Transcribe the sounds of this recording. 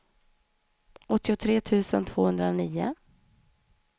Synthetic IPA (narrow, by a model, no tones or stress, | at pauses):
ɔt̪ːɪʊt̪ʰɾeːt̪ʰʉ̟ːsənt̪ʰv̥oːhɵnd̪ɾaniːʊ̰